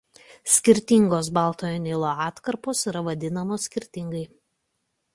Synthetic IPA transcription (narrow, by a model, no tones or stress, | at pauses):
sʲkʲɪɾʲt̪ʲɪŋɡoːsbɑˑlˠt̪oːjonʲɪlˠoːɑːt̪kɐɾpoːsiɾɐʋɐd̪ʲɪnɐmoːsʲkʲɪɾʲt̪ʲɪŋɡɐɪ